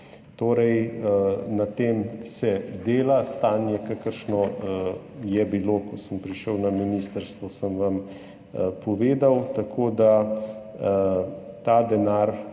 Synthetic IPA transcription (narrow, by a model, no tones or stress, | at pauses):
t̪oːɾɛj | nat̪eːmsɛd̪eːlast̪aːnjɛkakəɾʃnɔ | jɛbiloːkɔsəmpɾiʃəwnaminist̪əɾst̪ʋɔsəmʋam | pɔʋeːd̪awt̪akʰoːd̪a | t̪aːd̪ɛnaːɾ